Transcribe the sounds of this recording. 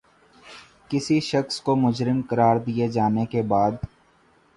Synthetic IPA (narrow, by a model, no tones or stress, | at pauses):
kɪsiʃɐxskomʊd͡ʒɾɪmkɐɾaːɾd̪ied͡ʒaːnekebaːd̪